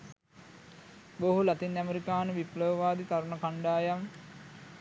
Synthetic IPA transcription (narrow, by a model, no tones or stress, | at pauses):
boɦulat̪inæmeɾikaːnəʋipləʋʋaːd̪it̪aɾunɐkaɳɖaːjam